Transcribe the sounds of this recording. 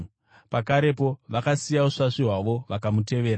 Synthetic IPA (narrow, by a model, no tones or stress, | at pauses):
pakaɾe̞po̞ʋakasijauʂaʂiɦwaʋo̞ʋakamute̞ʋe̞ːɾa